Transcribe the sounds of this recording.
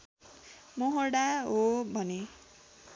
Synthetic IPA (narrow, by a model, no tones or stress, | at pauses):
moɦʌrɽaɦobʱʌne